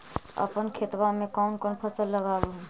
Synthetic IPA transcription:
ə̰pənkʰɪt̪wamẽkɔːnkoːnpʰəsəlːəɡaːwoɦɛ̃

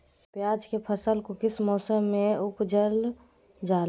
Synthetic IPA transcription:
pjaːd͡ʒkepʰəsəlkokɪsmɔːsəmːẽʊpd͡ʒəl | d͡ʒaːl

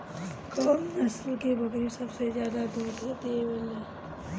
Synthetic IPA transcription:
kɔːmnɐslkebɐkɾisɐbsezjaːd̪ad̪uːɾɦot̪eẽbɐlːa

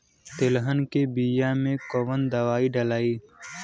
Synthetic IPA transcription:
t̪ɪlɦənkebijamẽkoʋənd̪əʋaːiɖəlaːiː

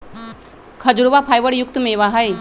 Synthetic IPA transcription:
kʰɐd͡ʒɾʋapʰaːjʋəɽjʊk̚t̪mẽʋaɦəj

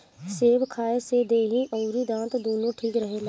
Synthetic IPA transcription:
seːʋkʰaːesed̪eːɦĩʔɔːɾid̪ãːt̪d̪oːnõʈʰiːkɾəɦela

